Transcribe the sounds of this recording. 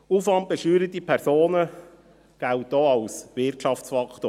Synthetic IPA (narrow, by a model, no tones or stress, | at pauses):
uːfɑnt̚b̥ɛʃyːɾət̪ipʰɛɾsoːnə | ɡ̥æltdɔːɑlsvɪrtʃɑft͡sfɑkʰto